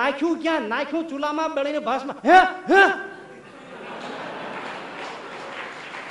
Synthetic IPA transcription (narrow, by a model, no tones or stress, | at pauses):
ãkʰjũkjãnakʰjũt͡sulamabeɽʌjnebʱʌsmaɦẽɦe